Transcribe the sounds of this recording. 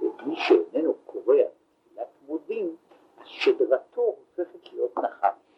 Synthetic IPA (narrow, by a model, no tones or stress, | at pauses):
vebliʃeenenukʰoʁeam | ilat̪modim | azʃed̪ʁatʰoofe̞χetlijo̞t̪naχa̰